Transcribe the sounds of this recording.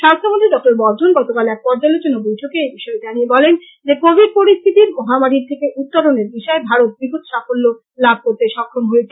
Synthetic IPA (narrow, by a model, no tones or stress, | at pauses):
ʃast̪ʰːomot̪ʰiɖɔk̚ʈoɾbɔɾd̪ʱonɡɔt̪okalɛk̚pɔɾd͡ʑalot͡ɕonobojʈʰokeebiʃɔed̪aniebɔlen | d͡ʑekobʱiɖ̚poɾist̪ʰit̪iɾmɔɦamaɾiɾt̪ʰekeʔut̪ːoɾoneɾbiʃɔebʱaɾot̪̚biɡʱot̪ʃafolːo | lab̚ʱkoɾt̪eʃɔkʰːɾomɦoet͡ɕʰe